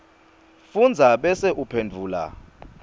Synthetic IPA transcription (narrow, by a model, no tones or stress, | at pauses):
fund͡zʱaɓɛsɛʔupʰendʱuːla̰